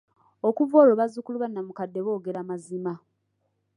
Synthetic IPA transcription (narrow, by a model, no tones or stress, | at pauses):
okuvoːlo̞βazukuluβanːamukadːe̞βoːɡe̞ɾamazima